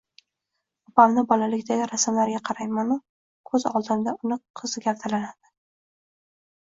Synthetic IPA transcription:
ʊpamnɪbɒlalɪkʲd̪aɡʲɪɾasmlaɾɡʲaqʰɑɾajmanʊ | kʰɵzɒ̰lˠd̪ɪmd̪aʊnɪqʰɨzɪɡʲapt̪ʰalanad̪̥ɪ̥

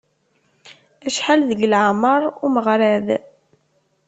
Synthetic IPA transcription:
æʃħalðəʝəlʕaməɾˤuməʁɾæð

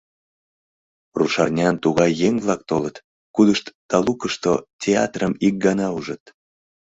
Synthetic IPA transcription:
ruʃɑrnʲɑnt̪uɣɑjːeŋβlɑk̚t̪olət̪ | kud̪əʃt̪d̪̥ɑlukəʃt̪o̰tʲeɑ̰t̪rəmik̚ɡɑnɑuʒət̪

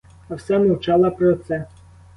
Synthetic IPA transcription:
ɐwsɛmɔwt͡ʃɑlˠɐpɾɔt̪sɛ

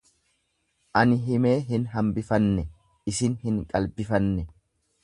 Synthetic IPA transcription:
ʔɐnɪɦɪmeːɦɪnɦɐmbɪfɐnːɛ | ɪsɪnhɪŋkʼɐlbɪfɐnːɛ

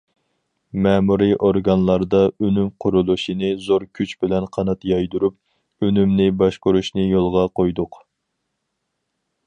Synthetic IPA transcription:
mɛmuɾɨʔoɾɡɑnlˠɑɾd̪ɑønymqʰʊɾulˠuʃinɨzoɾkʲʰyt͡ʃbɪlɛnqʰɑnɑt̪jɑjd̪uɾup̚ | ønymnɪbɑʃqʊɾuʃnɨjolˠʁɑqojd̪ʊq

